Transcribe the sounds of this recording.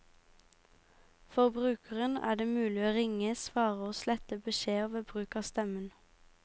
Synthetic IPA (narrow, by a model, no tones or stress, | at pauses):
fɔʁbʁʉːkʰəʁənæ̰ːɖeːmʉːlɪoːʁɪŋəsʋɑːʁəoːslɛt̪əbəʃeːoːʋəbʁʉːkɑːst̪ɛmən